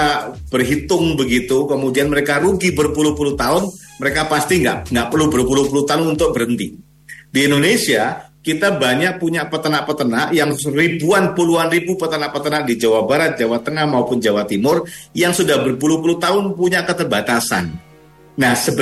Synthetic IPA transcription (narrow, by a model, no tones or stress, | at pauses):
ab̥ərɦit̪ʊŋbəɡit̪ukəmudianməɾekaɾuɡibərpuluhpuluht̪aɦʊnməɾekapast̪iŋɡa̰ʔŋɡaʔpərlubərpulup̬ulut̪aʊnunt̪ʊk̚bəɾənt̪i | diːndonesiakit̪abaɲaʔ̚puɲaʔpət̪ənaʔpət̪ənaʔjaŋribuanpuluanribupət̪ənaʔpət̪ənaʔdid͡ʒawabaɾat̪̚d͡ʒawat̪əŋahmaupʊnd͡ʒawat̪imʊrjaŋsudahbərpuluhpuluht̪aʊnpuɲakət̪ərbat̪asa̰n | nahsəb